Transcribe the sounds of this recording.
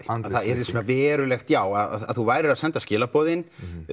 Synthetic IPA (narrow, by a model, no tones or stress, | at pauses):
ðθaðɛɾɪsuːnavɛːɾʏlɛxt̪jaːwaða̰ða̰ðθuvaːjɾɪɾaðsɛnt̪ascɪːlapɔːðɪn